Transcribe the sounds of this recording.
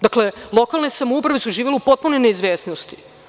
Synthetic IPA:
d̪akle̞lˠo̞kalnesamoupɾaʋesuʒiːʋeleupot̪̚punojne̞izʋeːsnost̪i̥

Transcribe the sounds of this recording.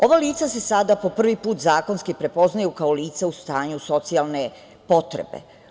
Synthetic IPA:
o̞ʋaliːt̪sase̞sad̪apo̞pr̩ʋipuːt̪zaːko̞nskipɾe̞po̞znajukaoliːt̪saust̪aːɲuso̞t̪sialˠne̞ | po̞t̪ɾḛbḛ

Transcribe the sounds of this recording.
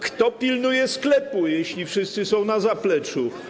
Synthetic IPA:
kt̪ɔpʲilnujɛsklɛpujeɕlʲifʂɘst̪sɘsɔ̃w̃nazaplɛt͡ʂu

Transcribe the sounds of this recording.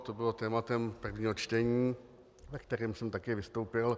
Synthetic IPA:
t̪obɪlo̞t̪ɛːmat̪ɛmpr̩vɲiːɦo̞t͡ʃt̪ɛɲiː | vɛkt̪ɛɾiːmsɛmt̪akɛvɪst̪owpɪl

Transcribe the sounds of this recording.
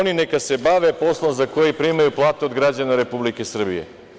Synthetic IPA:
oninekase̞baʋepo̞slˠomzakojipɾiːmajuplˠaːt̪eod̪ɡɾad͡ʑanaɾe̞publikesr̩bḭjḛ

